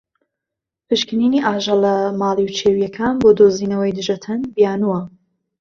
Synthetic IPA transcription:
pʰɨʃkɨniːniːʔaːʒɐlɐmaːlˠiwt͡ʃʰeːwjɐkʰaːnboːd̪oːziːnɐwɐjd̪ɨʒɐt̪ʰɐnbijaːnuwɐ

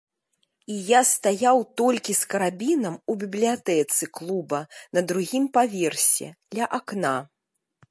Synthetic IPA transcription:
ijast̪ajawt̪ɔlʲkʲiskɐɾabʲinɐmubʲiblʲiat̪ɛt̪sɨklˠubɐnɐd̪ɾuɣʲimpavʲɛrsʲɛ̰d̪̥lʲɐʔakna

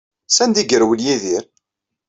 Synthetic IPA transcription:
sænd̪iɡəɾwəljiðiɾ

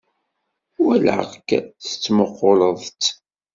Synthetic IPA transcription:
wæl̰ʁkːθə̥t͡sːməqːoləðˤt͡s

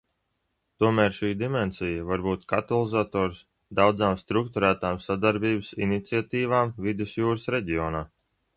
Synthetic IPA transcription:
t̪uɔmæːɾʃiːd̪imɛnsijəvaɾbuːt̪kat̪alˠizat̪oːɾs | d̪awd̪zaːmst̪ɾuk̚t̪uɾæːt̪aːmsad̪aɾbiːbɨsḭnit̪siat̪iːvaːmvid̪usjuːɾəsɾeɟiɔːnaː

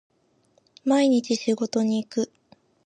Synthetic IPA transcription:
maiɲ̟it͡ɕiɕiɡo̞t̪o̞ɲ̟iːkɯ̟

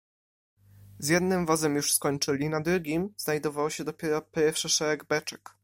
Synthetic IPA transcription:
zjɛd̪nɘmvɔzɛmjuʂskɔɲt͡ʂɘlʲinad̪ɾuɡʲimznajd̪ɔvawɕɛd̪ɔpʲjɛɾɔpʲɛɾfʂɘʂɛɾɛɡbɛt͡ʂɛ̥k

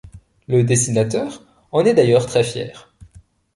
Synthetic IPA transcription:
ləd̪esinat̪œːʁ | ɑ̃nɛd̪ajœʁt̪χɛfjɛ̰ːʁ

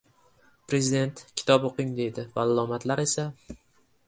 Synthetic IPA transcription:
pɾe̞zɪd̪e̞nt̪kʲʰɪ̥t̪ʰɒpoqɪŋd̪e̞jd̪ɪvaalˠɒmat̪laɾe̞sa

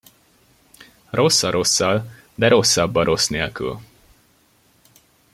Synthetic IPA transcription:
ro̞sːɒɾʔo̞sːɒl | d̪ɛɾo̞sːɒbːɒɾʔo̞sneːlky̰l

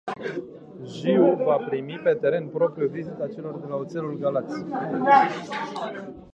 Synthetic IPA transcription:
ʒiuvapɾimipe̞t̪e̞ɾe̞npɾo̞pɾijuvizit̪at͡ʃe̞lo̞rd̪elaut̪se̞lulɡalat̪sʲi

